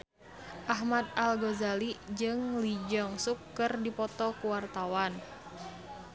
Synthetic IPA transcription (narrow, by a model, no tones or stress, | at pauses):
ʔaɦmad̪̚alɡozalid͡ʒɨŋlid͡ʒɔŋsukːɨrdipɔt̪ɔkuwart̪awan